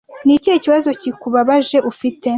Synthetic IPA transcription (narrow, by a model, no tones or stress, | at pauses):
nicieciβazo̞cikuβaβaʒe̞ʔufite̞